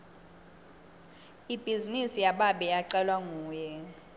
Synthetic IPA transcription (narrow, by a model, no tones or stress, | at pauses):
ib̥ʱizinisijaɓaɓɛjaǀɛlwaŋuːjɛ